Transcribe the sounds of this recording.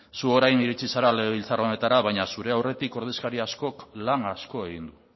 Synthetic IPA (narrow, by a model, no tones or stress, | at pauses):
suo̞ɾajniɾit͡sisaɾaleɣeβ̞ilt͡saro̞ne̞t̪aɾaβajɲasuɾe̞awre̞t̪iko̞ɾð̞iskaɾiasko̞klaŋasko̞e̞ɣ̞ind̪u